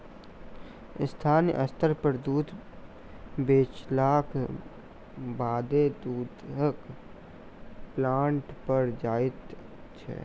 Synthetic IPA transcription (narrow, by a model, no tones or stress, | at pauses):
ɪst̪ʰaːnʔə̰st̪əɾpəɾd̪uːd̪ | beːt͡ʃlaːkʰ | baːd̪ed̪uːd̪ək | plaːɳʈpəɾd͡ʒaːɪt̪ | t͡ʃʰɛ̰ː